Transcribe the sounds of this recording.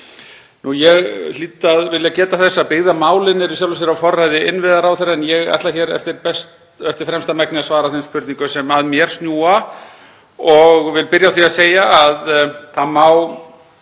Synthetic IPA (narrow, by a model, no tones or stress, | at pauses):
nujɛɣl̥iːt̪aðvɪljacɛːt̪aθɛsːapɪɣðamaːwlɪnɛɾʏsjawlvɛs̬ɛɾawfɔrːajðɪɪnvɪðaɾawθɛɾaɛnjɛɣa̰t̪laçɛːɾɛ̰ft̪ɪɾpɛs | ɛft̪ɪ̥ɾ̥fɾɛmst̪amɛknɪasvaːɾaθɛnspʰʏɾt̪niŋkʏsɛmaðmjɛɾ̥st̪njuːa | ɔɣvɪlpɪɾjaθviaseːjaːðθaðmaːw